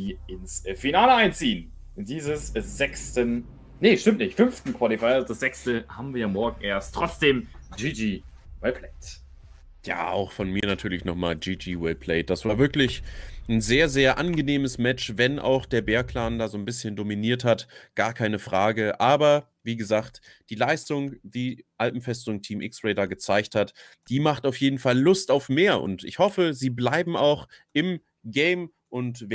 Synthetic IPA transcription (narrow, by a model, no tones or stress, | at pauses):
diːɪnsfinaːləaɪnt͡siːən | diːzəsz̥ɛkstən | nəʃtɪmtnɪçtfʏmftn̩kʰv̥ɔlifaɪzd̥asz̥ɛkstəha̰ːbm̩viːɐjaːmɔɐɡŋ̩ʔeːɐstʰʁ̥ɔt͡sd̥eːmd͡ʒiːd͡ʒiː | wɛpʰlɛɪt | ja̰ːa̰ʊxfɔnmiːɐnatʰyːɐlɪçnɔχmaːld͡ʒiːd͡ʒiːwɛlpʰlɛɪd̥asv̥aːɐvɪɐklɪçn̩zeːɐzeːɐʔanɡəneːməsmɛt͡ʃvɛnʔa̰ʊxd̥eːɐbeːɐkʰl̥aːndaːzoːnbɪsçəndominiːɐthatɡ̥aːɐkʰaɪnəfʁ̥aːɡəʔaːbɐ | viːɡəzaːkt | d̥iːlaɪstʊŋd̥iːʔalpm̩fɛstʊŋtʰiːmʔɪ̰ksʁeɪdɐɡət͡saɪçthat | d̥iːmaχtaʊfjeːdn̩falːʊstaʊfmeːɐʔʊ̰ntɪ̰çhɔfəziːblaɪbm̩a̰ʊxʔɪm | ɡɛɪm | ʔʊntv